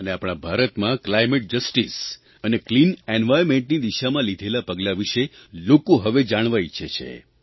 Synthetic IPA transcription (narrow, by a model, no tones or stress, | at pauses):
əneapɽ̃abʱaɾət̪mãklajmeʈ̚d͡ʒəsʈis | əneklinenʋajɾmẽɳʈnid̪iʃamãlid̪ʱelapəɡlaʋiʃelokoɦəʋed͡ʒaɽ̃ʋajt͡ʃʰet͡ʃʰḛ